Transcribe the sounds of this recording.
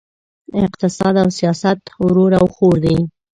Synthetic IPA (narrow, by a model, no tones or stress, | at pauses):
ɪqt̪ɪsɑd̪awsijɑsat̪wɾoɾawxoɾd̪aj